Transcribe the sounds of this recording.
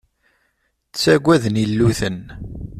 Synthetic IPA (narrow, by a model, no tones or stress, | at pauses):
t͡sːæɡʷːæðnilːuθən